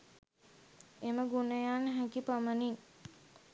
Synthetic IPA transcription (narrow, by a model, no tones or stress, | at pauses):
eməɡunəjaːnəɦækipəmənin